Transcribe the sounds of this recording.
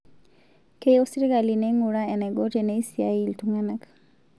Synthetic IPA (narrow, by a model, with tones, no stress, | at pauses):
ke˦jo˦si˦ɾɡa˨li˨nɛ˦ŋu˨ɾa˦ɛ˨nɛ˨ɡɔ˦te˨nɛ˦i˦si˨a̰˦i˨ltuŋa˦na˦k